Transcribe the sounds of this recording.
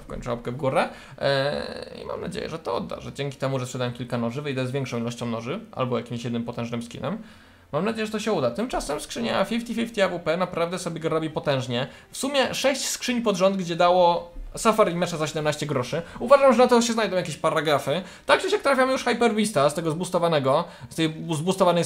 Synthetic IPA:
fkɔ̰ɲt͡ʂɔpkɛvɡuɾɛ | ḭma̰mna̰d͡ʑḛjɛ̰ʐɛt̪ɔɔ̰d̪ːa̰ʐɛ̰d͡ʑɛŋkʲi̥t̪ɛmuʐɛspʂɛd̪awɛmkʲilkanɔʐɘvɘjd̪ɛzvʲɛŋkʂɔ̃w̃ilɔɕt͡ɕɔ̃w̃nɔʐɘʔa̰lbɔjakʲimɕjɛd̪nɘmpɔt̪ɛ̃ʐnɘmskʲḭnɛ̰m | mamnad͡ʑejɛʐɛt̪ɔɕɛud̪at̪ɘmt͡ʂasɛmskʂɘɲafʲift̪ifʲift̪ʲiavupɛnapɾavd̪ɛsɔbʲjɛɡɔɾɔbʲipɔt̪ɛ̃w̃ʐɲɛ | fsumʲjɛʂɛɕt͡ɕskʂɘɲpɔd̪ʐɔnd̪ɡd͡ʑɛd̪awɔsafaɾimɛʂazaɕɛd̪ɛmnaɕt͡ɕɛɡɾɔʂɘuvaʐamʐɛnat̪ɔɕɛznajd̪ɔ̃wjakʲeɕpaɾaɡɾafɘ | t̪ak̚tɛɕjak̚t̪ɾafʲjamjuʂxajpɛɾvʲist̪ast̪ɛɡɔzbust̪ɔvanɛɡɔst̪ɛjzbust̪ɔvanɛj

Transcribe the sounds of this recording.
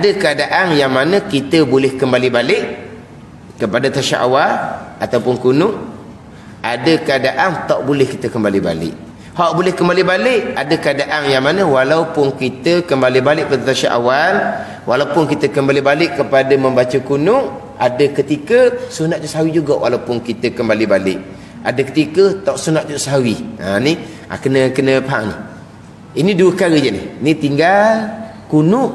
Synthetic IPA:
adəkəadaʔaŋjaŋmanə̃kit̪əbolɛhkəmbalibalɪʔ | kəpadat̪aʃa̰ʔa̰walat̪awpʊnkunʊʔ | adəkəadaʔant̪aʔbulɛhkit̪əkəmbaliba̰lɪ̰ʔ | haʔbulɛhkəmbalibalɪʔadəkəadaʔaŋjaŋmanə̃walaupʊnkit̪əkəmbalibalɪʔ̚padat̪aʃa̰ʔa̰wal | walapʊnkit̪əkəmbalibalɪʔkəpadəməmbat͡ʃəkunʊʔ | a̰dəkət̪ikəsunat̪ʔ̚t͡ʃuʔsɦawid͡ʒuɡawʔa̰laupʊnkit̪əkəmbalibalɪ̰ʔ | a̰dəkə̥t̪ikət̪aʔsunat̪̚t͡ʃuʔsəɦawia̰ni | a̰kənəkənəpəɦaŋnḭh | iniduəkaɾəd͡ʒənɪ̰hnit̪iŋɡalkunʊʔ

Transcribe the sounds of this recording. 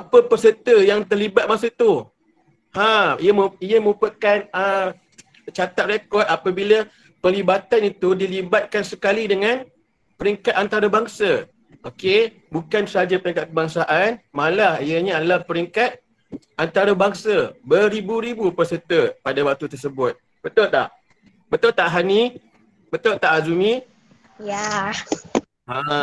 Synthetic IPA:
apəpərsət̪əjaŋt̪ərlibat̪̚masət̪u | hãijəməijəmə̃ŋupəkanə | t͡ʃat̪at̪̚rekɔt̪apəbilə | pəlibat̪anit̪udilibat̪̚kansəkalidəŋan | pəɾiŋkat̪̚ant̪aɾabaŋsa | ʔoke | bukansəɦad͡ʒapəɾiŋkat̪̚k̚əbaŋsaʔanmalahijəɲəadalahpəɾiŋkat̪̚ | ʔant̪aɾabaŋsabəɾibuɾibupəsət̪əpadawak̚t̪ut̪ərsəbʊt̪̚ | b̥ət̪ʊlʔla̰h | bət̪ʊʔt̪aʔɦani | bət̪ʊlt̪aʔazumĩ | ja | ã

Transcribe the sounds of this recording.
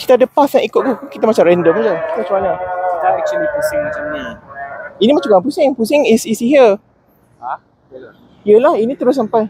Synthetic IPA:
ki̥t̪adəpasãʔikʊʔ̚k̪ukkit̪amat͡ʃamɾɛndəmad͡ʒaki̥t̪amat͡ʃamaɲaʔdaɛk̚t͡ʃəlipusɪŋd͡ʒai | inĩmat͡ʃaɡãpusɪŋpusɪŋisisiɦə | a | jəlahinĩt̪əɾʊs̬ampaj

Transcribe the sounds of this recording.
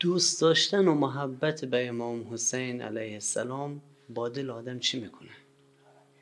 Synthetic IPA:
d̪̥ust̪d̪ɒːʃt̪ænomʊɦæbːæt̪ʰebæemɒːmɦosæjnæ̰læjhesːæ̰lɒːm | bɒːd̪elɒːd̪æmt͡ʃʰimikʰonæ

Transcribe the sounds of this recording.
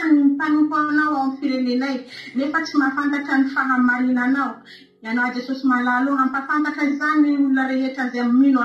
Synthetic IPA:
nimipanukanawawmifiɾelenajnefət͡simafant̪akənifaɦamaɾinanaw | ianawad͡zesosimalaloampafant̪akəzaniuunəɾeɦeʈ͡ʂazeamimina

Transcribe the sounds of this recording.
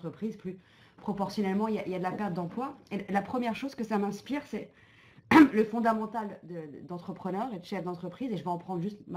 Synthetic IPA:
t̪χəpχizply | pχɔpɔʁsjɔnɛlmɑ̃iljaʔiljad̪əlapɛʁt̪̚d̪ɑ̃plwaelapχəmjɛʁʃozkəsamɛ̃spiʁsɛ | ləfɔ̃d̪amɑ̃t̪ald̪əd̪ɑ̃t̪χəpχənœʁed̪əʃɛfd̪ɑ̃t̪χəpχizeʒəvɛɑ̃pχɑ̃d̪ʁʒyst̪ma

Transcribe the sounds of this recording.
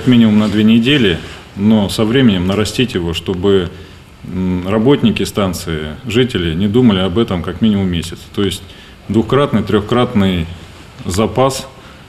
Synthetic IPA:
kɐkmʲinʲɪmʊmnɐd̪vʲenʲɪdʲelʲɪ | no̞sɐvɾʲemʲɪnʲɪmnəɾɐsʲtʲitʲjɪvo̞ʂt̪o̞bɨ | rɐbo̞tʲnʲɪkʲɪst̪ant̪sɨɪʐɨtʲɪlʲɪnʲɪd̪uməlʲɪɐbɛt̪əmkɐkmʲinʲɪmʊmːʲesʲɪ̥t̪st̪o̞jɪsʲtʲ | d̪vʊxkɾat̪nɨjt̪ɾʲoxkɾat̪nɨj | zɐpas

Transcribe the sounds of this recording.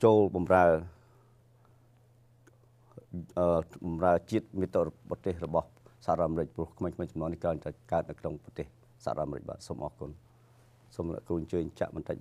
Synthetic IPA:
t͡ɕoːlɓɑmraə | ʔəːɓɑmraət͡ɕiət̪̚miət̪ːoɓɑt̪eːhrɔɓɑhsaharoɔt̪ʔamɾɨc̚prŭəkʰmeːŋkʰmeːt͡ɕɑmnɔːŋnihkraːɲt̪aɛkaət̪̚nɨwkʰnoŋprɑt̪eːh | saha̰roɔ̰t̪ʔamɾɨ̰c̚ɓa̰ːt̪̚soːmʔɑːkun | soːmlɛ̰ʔkuːəɲt͡ɕəːɲt͡ɕa̰ʔɓɑnt̪ac̚

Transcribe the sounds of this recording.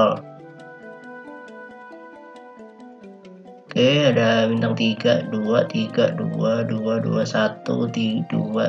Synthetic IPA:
l | keadabint̪aŋt̪iɡaʔduat̪iɡaduaduadṵasat̪ṵd̪idua

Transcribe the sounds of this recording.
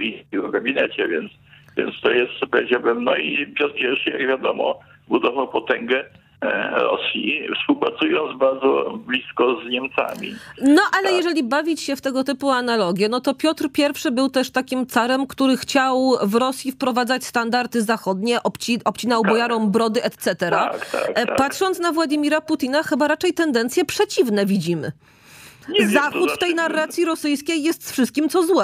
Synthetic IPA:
isʲiɔɡabʲinɛt͡ɕɛvʲjɛ̰nt̪svʲjɛ̰nt̪st̪ɔjɛst̪pɾɛd͡ʑabɘmnɔ̰ipʲjɔt̪kʲjɛɾʂɘja̰ɡvʲjad̪ɔmɔ̰ | bud̪ɔvawpɔt̪ɛŋɡɛ | ɾɔ̰sʲjifspuwpɾat̪sujɔnd̪zbaɾd̪zɔ̰blʲiskɔzɲɛmt̪sa̰mʲḭnɔʔalɛjɛʐɛlʲibavʲit͡ɕɕɛft̪ɛɡɔt̪ɘpuanalɔɡʲjɛnɔt̪ɔpʲjɔt̪ɾpʲjɛɾfʂɘbɘwt̪ɛʂt̪akʲimt̪saɾɛmkt̪uɾɘxt͡ɕawvɾɔsʲjifpɾɔvad̪zat͡ɕst̪and̪aɾt̪ɘzaxɔd̪ɲɛʔɔpt͡ɕiʔɔpt͡ɕinawbɔjaɾɔ̃mbɾɔd̪ɘʔɛt̪sɛt̪ɛɾakt̪a̰patʂɔnt̪snavwad͡ʑimʲiɾaput̪ʲinaxɘbaɾat͡ʂɛjt̪ɛnd̪ɛnt̪sʲjɛpʂɛt͡ɕivnɛvʲid͡ʑimɘ̰ | ɲzaxut̪fɛjnarːat̪sʲjiɾɔsɘjskʲejːɛst̪sfʂɘst̪̚kʲimt̪sɔzwɛ

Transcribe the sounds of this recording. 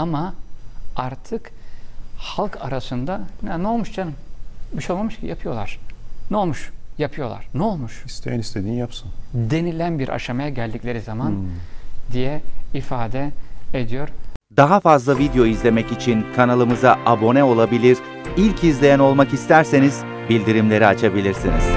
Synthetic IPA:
ama | aɾt̪ʰɯk | halˠkʰa̰ɾasɯnd̪anɛnɛo̞lˠmuʃd͡ʒanɯmbiʃo̞lˠmamɯʃcḭjapʰɯjo̞lˠaɾ̥nɛo̞lˠmuʃjapʰɯjo̞lˠa̰ɾ̥nɛo̞lˠmuʃist̪ʰejnist̪ʰenijapsɯnd̪e̞nilʲænbiɾʔa̰ʃamajaɟælʲd̪iclʲe̞ɾizamand̪ijɛifaːd̪ɛed̪ijo̞ɾ̥d̪aɦafazlˠavid̪ejo̞izlʲe̞mɛcit͡ʃʰinkʰanalˠɯmɯzaʔabo̞nɛo̞lˠabilʲiɾ̥ | ilʲcʰizlʲejæno̞lˠmakist̪ʰæɾse̞niz | bilʲd̪iɾimlʲe̞ɾiat͡ʃʰabilʲiɾsinḭz̥

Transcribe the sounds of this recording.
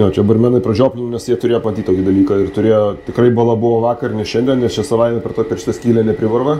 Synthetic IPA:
joːt͡ʃʲɛd̪ɐbɐrmʲɛːnɐɪprɐʒd͡ʒʲoːpʲlʲɪnʲnʲɛsjiɛt̪ʊɾʲeːjopɐmɐt̪ʲit̪toːkʲɪd̪ɐlʲiːkɐɪrt̪ʊɾʲeːjoːt̪ʲɪkrɐɪbɐlˠɐbʊʋoːʋɑːkɐrnʲɛʃʲɛnʲd̪ʲɛnnʲɛst͡ʃʲɛsɐʋɐɪnʲɛpʲɛrt̪oːpʲɛrʃɪ̥t̪ɐsʲkʲiːlʲɛnʲɛpʲɾʲɪʋɐrʋɐ

